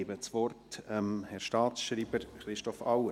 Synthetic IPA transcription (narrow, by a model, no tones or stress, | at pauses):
ɪːbət͡sʋɔrtɛmhɛɾʃtɑːtsʃɾiːbəɾχɾɪʃtɔfɑwə